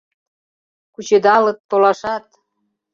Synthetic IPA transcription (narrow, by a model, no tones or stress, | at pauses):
kut͡ɕed̪ɑlə̆t̪ːolɑʃɑt̪̚